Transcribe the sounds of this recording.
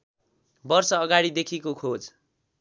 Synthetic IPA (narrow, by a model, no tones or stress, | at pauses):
bʌrsʌːɡaɽid̪ekʰikokʰod͡z